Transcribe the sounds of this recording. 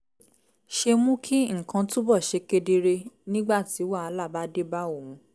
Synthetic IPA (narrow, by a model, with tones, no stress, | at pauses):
ʃe˧mũ˦kʰi˦ŋ̩˦˨kã˧tũ˦bɔ˦˨ʃe˨˧ke˧de˧ɾe˧nĩ˦ɡ͡ba˦˨ti˨˦wa˦˨a˧˦la˦˨ba˦de˦ba˦o˦˨wũ˧˦